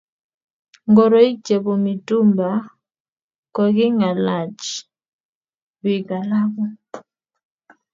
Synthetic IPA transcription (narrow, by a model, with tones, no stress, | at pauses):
ŋɡɔ˨ɾɔ˦i˦t͡ʃe˨βo˨mi˨tu˦mba˨ | kɔ˨ɡɪ˦ŋa˨la˨t͡ʃ | wi˨ɡa˨la˦ɣɔ˦